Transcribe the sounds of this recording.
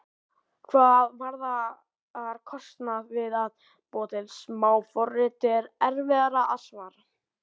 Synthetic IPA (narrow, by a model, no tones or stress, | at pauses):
kʰvaːðvaɾða | aɾ̥kʰɔst̪navɪðað | pɔːt̪ɛlsmaːwfɔrɪt̪ɪɾɛɾvɛðaɾaʔasmaɾ